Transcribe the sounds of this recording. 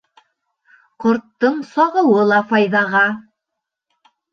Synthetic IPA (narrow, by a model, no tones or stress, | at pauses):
qŏɾt̪ːɤɴsɑʁɤ̆wɤlˠɑfɑjðɑʁɑ